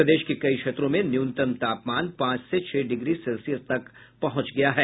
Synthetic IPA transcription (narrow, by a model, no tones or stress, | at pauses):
ɾɐd̪eːʃkekɐikʃeːt̪ɾõmẽnjuːnt̪əmt̪aːpmaːnpãːt͡ʃset͡ʃʰɛːɖɪɡɾisɛlsijəst̪ɐk | pɐɦʊ̃t͡ʃɡɐjaɦɛː